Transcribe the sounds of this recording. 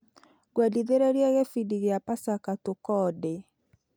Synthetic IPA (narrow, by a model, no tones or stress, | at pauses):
ɡwɛdiðeɾeɾiɛɣefidiɣeapasakatokɔde